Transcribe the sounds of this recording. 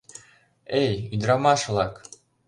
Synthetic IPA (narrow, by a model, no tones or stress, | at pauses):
ejyd̪ɾɑmɑʃlˠɑk